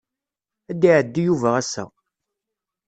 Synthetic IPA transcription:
æd̪iʕəd̪ːijuvæʁæsæ̰

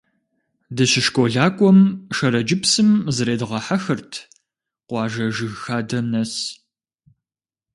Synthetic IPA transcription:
dɐɕɪʃkʷʼoɮaːkʷʼɔmʃɐɾɐd͡ʒɪpsɨmzɨɾeːdɨʁɐħaxɨrtʰ | qʷɑːʒɐʒɨɣxaːdɐmnɐs

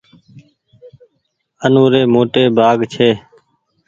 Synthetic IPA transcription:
ənoːɾeːmoːʈeːbʱaːɡt͡ʃʰeː

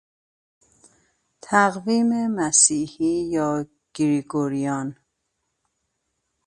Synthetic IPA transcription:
t̪ʰæɣviːmemæsiːhiːjɒː | ɡ̥iɾiɡoɾijɒn

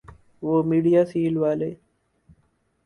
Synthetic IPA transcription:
ʋoːmiːɖijaːsiːlʋaːleː

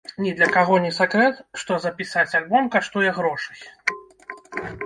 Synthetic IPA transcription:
nʲɛd̪lʲɐkaɣɔnʲɛsakɾɛt̪ʂt̪ɔzɐpʲisat͡sʲalʲbɔmkaʂt̪ujɛɣɾɔʂɨ̥j

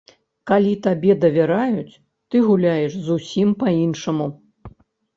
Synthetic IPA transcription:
kalʲit̪abʲɛd̪ɐvʲaɾajut͡sʲ | t̪ɨɣulʲajɛʂzusʲimpɐinʂɐmu

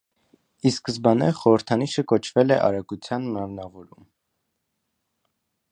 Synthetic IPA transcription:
iskəzbɑnɛɾχɔɾəɾt̪ʰɑniʃəkɔt͡ʃʰvɛlɛʔɑ̰ɾɑkut͡sʰjɑnmɑmnɑvɔɾum

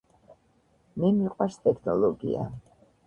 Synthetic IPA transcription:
mɛmiqʼwast̪ʼɛkʰnɔlɔɡḭa̰

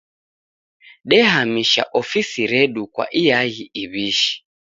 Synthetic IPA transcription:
ɗɛhamiʃa̰ʔɔfisiɾɛɗukwa̰ʔijaɣiiβiʃi̥

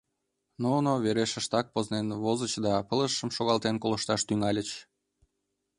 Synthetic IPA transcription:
nonoβeɾeʃəʃt̪ɑk̚poznenβozət͡ɕd̪ɑpələʃːəmʃoɣɑlt̪enkolə̆ʃt̪ɑʃt̪yŋɑlʲət͡ɕ

